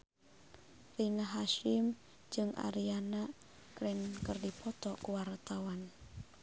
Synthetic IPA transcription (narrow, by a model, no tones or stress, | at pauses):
rinaɦaʃim | d͡ʒɨŋʔa̰ɾiana | kɾɛnkɨrdipɔt̪ɔkuwart̪awan